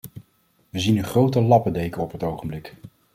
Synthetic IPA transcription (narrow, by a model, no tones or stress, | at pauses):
ʋəzinənχrowtəlɑpədejkəɔpɦətowχəmblɪk